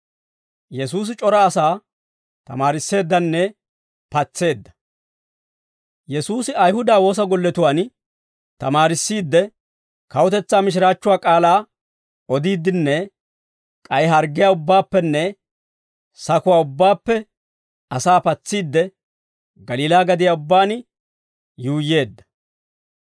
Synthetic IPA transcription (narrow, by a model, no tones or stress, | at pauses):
jɛs̬uːs̬ɪt͡ʃʼɔɾɐːsaː | t̪ɐ̰maːɾɪsːe̞ːd̪ːɐnːɛ | pɐt͡sːe̞ːd̪ːɐ̥ | jɛsuːsɪɐjhʊd̪aːwo̞ːs̬ɐɡɔlːɛt̪ʊwaːn | t̪ɐmaːɾɪsːiːd̪ːɛ | kɐwʊt̪ɛt͡sːaːmɪʃ̬ɪɾaːt͡ʃːʊwaːkʼaːlaː | ɔd̪iːd̪ːɪnːɛ | kʼɐjɦɐɾɡːɪjaːʊbːaːpːɛnːɛ | sɐkʊwaːʊbːaːpːɛ | ɐsaːpɐt͡sːiːd̪ːɛ | ɡɐliːlaːɡɐd̪ɪjaːʊbːaːn | juːje̞ːd̪ːɐ̥